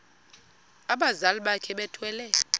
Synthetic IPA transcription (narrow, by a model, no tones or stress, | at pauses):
aɓazalɓakʰɛɓɛtʰwɛːlɛ